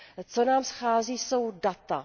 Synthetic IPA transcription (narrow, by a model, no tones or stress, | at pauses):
t͡so̞naːmsxaːziːso̞wdat̪a